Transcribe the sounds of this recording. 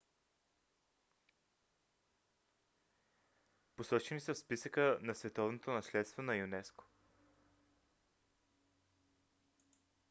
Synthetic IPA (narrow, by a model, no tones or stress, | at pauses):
posɔt͡ʃɛnisəfspisəkənɐsvɛt̪ɔvnot̪onɐslɛt̪st̪vonɐjunɛsko̥